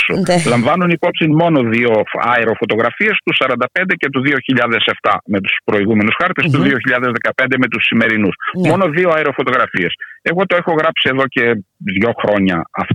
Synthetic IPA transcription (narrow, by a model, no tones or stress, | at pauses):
sulɐɱvɐnunipo̞psinmo̞no̞ðio̞ɐ̰eɾo̞fo̞t̪o̞ɣɾɐfiɐst̪usɐɾɐnd̪ɐpe̞nd̪ece̞t̪̬uðio̞çiʎɐðe̞se̞ft̪ɐ̰me̞t̪u̥spɾo̞iɣume̞nusxɐɾt̪est̪uðio̞çiʎɐðe̞zðe̞kɐpend̪eme̞t̪usːime̞ɾinusmo̞no̞ðioɐeɾofot̪o̞ɣɾɐfiese̞ɣo̞t̪o̞exo̞ɣɾɐpsie̞ðo̞ce̞ðʝo̞xɾo̞ɲɐɐf